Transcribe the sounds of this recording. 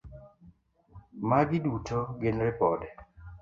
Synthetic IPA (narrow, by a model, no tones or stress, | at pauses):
maɡɪdutoɡɪnɾɪpɔdɛ